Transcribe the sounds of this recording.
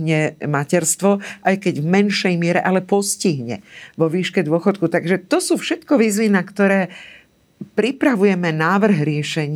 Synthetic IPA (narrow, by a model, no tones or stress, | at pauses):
ɲɛmacɛɾst̪ʋɔʔajkɛɟvmɛnʃɛjmɪɛɾɛʔalɛpɔsciɦɲɛ̰ʋɔʋiːʃkɛd̪ʊɔxɔt̪kut̪aɡʒɛt̪ɔsuːfʃɛt̪kɔʋiːzʋinakt̪ɔɾɛː | pɾipɾaʋujɛmɛnaːʋr̩ɦɾɪɛʃɛɲ